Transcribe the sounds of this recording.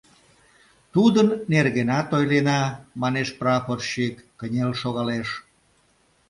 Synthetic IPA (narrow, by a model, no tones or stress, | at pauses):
t̪ud̪ənːerɣenɑt̪ojlenɑmɑneʃprɑforʃikːənʲelʃoɣɑleʃ